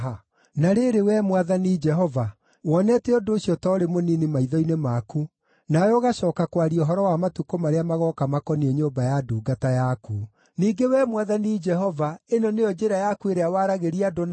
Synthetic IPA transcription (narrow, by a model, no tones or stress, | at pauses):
ɦa | naɾeɾewɛmwaðanid͡ʒɛɦɔva | wɔnɛtɛodoːɕjɔtɔɾemoninimaiðɔinemaku | najɔoːɣaɕɔːkakwaɾiɔɦɔɾɔwamatukomaɾeamaɣɔkamakɔnieɲoːmbajaduːɡatajaku | niːɡewɛmwaðanid͡ʒɛɦɔvaenɔnejɔd͡ʒeɾajakueɾeawaɾaɣeɾiadon